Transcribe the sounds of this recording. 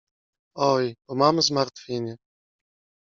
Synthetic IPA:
ɔjbɔmamɘzmaɾt̪fʲiɲʲɛ

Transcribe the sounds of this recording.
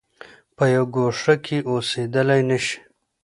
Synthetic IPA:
pəjawɡoʂakʰeʔosed̪əlajnəʃi̥

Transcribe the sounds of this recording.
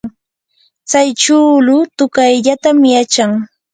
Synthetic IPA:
t͡sajt͡ʃuːlʊt̪ʊkajʎat̪amjat͡ʃaŋ

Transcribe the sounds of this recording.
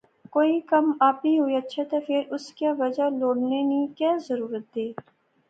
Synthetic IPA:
koːikɐmaːpiɦʊiətːʃʰat̪afʰɪɾʊskaʋɐd͡ʒaloːɽnenĩːkɛːzəɾuːɾət̪̚d̪eː

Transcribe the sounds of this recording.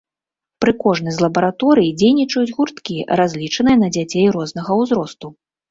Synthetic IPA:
pɾɨkɔʐnɨjʲzʲlˠɐbɐɾat̪ɔɾɨjid͡zʲejnʲit͡ʂɐjud͡zʲɣurt̪kʲiɾazʲlʲit͡ʂɐnɨjɐnɐd͡zʲat͡sʲejɾɔznɐɣɐwzɾɔst̪u

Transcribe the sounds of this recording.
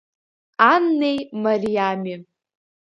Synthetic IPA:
anːe̞jmarijami

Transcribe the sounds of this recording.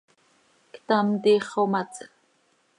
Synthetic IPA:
kt̪amt̪iχomat͡s

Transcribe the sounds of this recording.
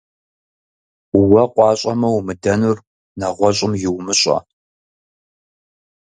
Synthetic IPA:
wɐqʷɑːɕʼɐmɐwmɨdɐnur | nɐʁʷɔɕʼɪmjɪwmɨɕʼɐ̰

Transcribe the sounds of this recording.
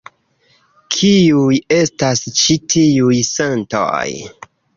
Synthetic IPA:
kʰiuje̞stast͡ʃitʰiujsanto̰j

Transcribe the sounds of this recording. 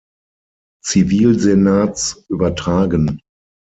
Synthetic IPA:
t͡siviːlzenaːt͡sʔyːbɐtʁ̥aːɡən

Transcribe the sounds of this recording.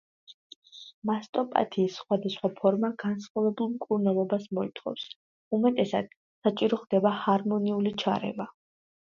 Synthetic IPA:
mast̪ʼɔpʼa̰t̪ʰiːsːχwad̪asχwapʰɔɾmaɡansχavɛbulˠmkʼuɾnɛlˠɔbasmɔit̪ʰʼχɔ̰fs | umɛt̪ʼɛsa̰d̪̥ | sat͡ʃʼiɾɔχd̪̥ɛbahaɾmɔniulit͡ʃʰa̰ɾɛ̰va

